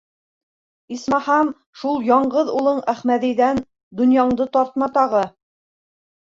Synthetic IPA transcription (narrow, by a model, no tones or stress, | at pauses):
ismɑhɑm | ʃulˠjɒɴɢɤðulˠɤɴæχmæðɘ̆jðæn | d̪ɵ̆njɑɴd̪ɤt̪ɑɾt̪̚mɑt̪ɑʁɤ